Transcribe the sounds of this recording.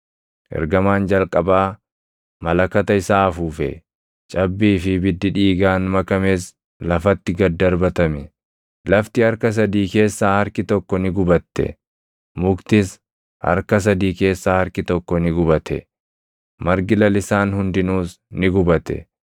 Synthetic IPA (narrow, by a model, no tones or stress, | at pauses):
ʔɛ̰ɾɡɐmaːnd͡ʒɐlkʼɐbaː | mɐlɐkɐt̪ɐɪsaːfuːfɛ̰ | t͡ʃʼɐbːiːfɪbɪd̪ːɪᶑiːɡaːnmɐkɐmeːs | lɐfɐt̪ːɪɡɐd̪ːɐɾbɐt̪ɐmɛ | lɐft̪ɪɐɾkɐs̬ɐd̪iːke̞ːsːaːhɐɾkɪt̪ɔkːɔnɪɡʊbɐt̪ːɛ̰ | mʊkt̪ɪs | hɐ̰ɾkɐs̬ɐd̪iːke̞ːsːaːhɐɾkɪt̪ɔkːɔnɪɡʊbɐt̪ɛ̰ | mɐɾɡɪlɐlɪsaːnhʊnd̪ɪnuːs | nɪɡʊbɐt̪ɛ̰